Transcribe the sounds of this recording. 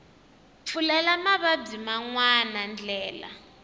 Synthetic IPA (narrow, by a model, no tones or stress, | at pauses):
p̪fʰulɛlamaβab͡ʐimaŋwanand͡ɮɛːla̰